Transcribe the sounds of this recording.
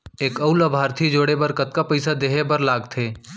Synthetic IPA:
eːkəʊləbʱaːɾt̪ʰid͡ʒoːɽebəɾkət̪̚kapəɪsad̪eːɦebəɾlaːɡt̪ʰeː

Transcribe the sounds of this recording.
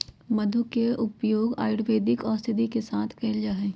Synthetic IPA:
mɐd̪ʱukeʔʊpjoːɡa̰ːjʊɽʋeːd̪ɪkɔːɾst̪ɪd̪ʱikesaːt̪ʰkɛːɪld͡ʒaːɦɛ̃ː

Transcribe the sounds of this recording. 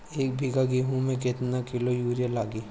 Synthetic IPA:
eːk̚bʱiɡaɡiɦũmẽkɪt̪nakɪlojuːɾjalaːɡiː

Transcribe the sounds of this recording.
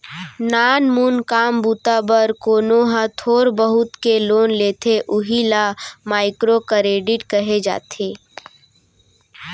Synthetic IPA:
naːnmuːnkaːmbuːt̪abəɾkoːnoɦãt̪ʰoːɾbəɦʊt̪keloːnleːt̪ʰeʔʊɦilamaːɪkɾokəɾeːɖɪʈkəɦed͡ʒa̰ːt̪ʰeː

